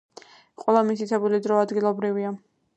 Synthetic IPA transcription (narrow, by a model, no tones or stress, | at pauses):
qʼwɛlˠamit̪it̪ʰɛbulid̪ɾɔad̪ɡilˠɔbɾivia